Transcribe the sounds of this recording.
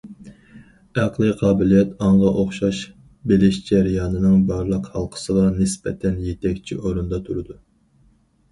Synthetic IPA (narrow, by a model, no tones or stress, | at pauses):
æqlˠɨqʰɑːbɪlijɛt̪ʰɑɴʁɑʔoχʃɑʃ | belɪʃd͡ʒɛɾjɑːnɨnɨŋbɑɾlˠəqhɑlˠqʰə̥sɨlˠɑnɪsbɛ̰t̪ʰɛnjet̪ʰɛkʲt͡ʃʰḭʔoɾund̪ɑt̪ʰuɾɨd̪u